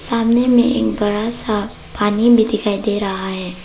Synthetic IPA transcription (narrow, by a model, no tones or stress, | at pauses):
saːmnemḛ̃ʔḛːkbɐɾasa | paːnibʱid̪ɪkaːjd̪eːɾɐɦaɦɛː